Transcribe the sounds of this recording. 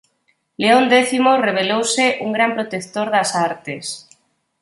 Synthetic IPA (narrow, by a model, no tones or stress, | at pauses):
leond̪eθimoreβ̞elowseʔuŋɡɾampɾot̪ekt̪oɾðasaɾt̪es